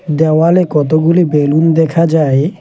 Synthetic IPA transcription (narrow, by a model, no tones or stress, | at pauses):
d̪ɛwalekɔt̪oɡulibelund̪ɛkʰad͡ʑae